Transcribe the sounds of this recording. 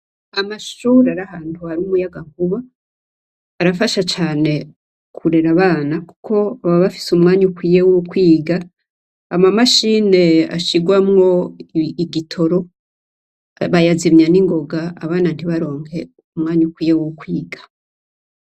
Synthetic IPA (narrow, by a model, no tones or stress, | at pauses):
amaʃuːɾaɾahaːntuaɾumujaɡaŋkuβa | ɾafaʃat͡ʃaːne̞ | kʰuɾe̞ɾaβaːnaku̥kʰo̞aβaβafi̥sumŋaːɲukwiːjewukwiːɡaː | mamaʃine̞a̰ʃiɡwamŋo̞iɡitʰo̞ɾo̞ | βajazimɲaniŋɡo̞ɡaaβaːnan̥hiβaɾo̞ːŋhe | umŋaːɲukwiːjewuukwiːɡḁ